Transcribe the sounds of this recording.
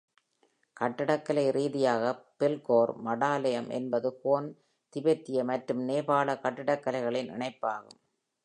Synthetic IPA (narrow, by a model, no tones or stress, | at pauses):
kɐʈːɪɽɐkːɐlɐɪɾiːðɪjaːɣɐpɪlkoːɾmɐɽaːlɐjɐmʔɛ̰nbɐðɯhoːn | t̪ɪbɛt̪ːɪjɐmɐʈɾɯmneːbaːɭɐkɐʈːɪɽɐkːɐlɐɪɣɐɭɪnɪ̰ɳɐɪpːaːɣɯ̰m